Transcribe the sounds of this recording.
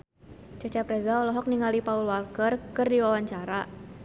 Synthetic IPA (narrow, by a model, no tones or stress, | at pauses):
t͡ʃat͡ʃapɾɛzaɔlɔɦɔk̚niŋalipaulwalkərkɨrdiwawaɲt͡ʃaɾa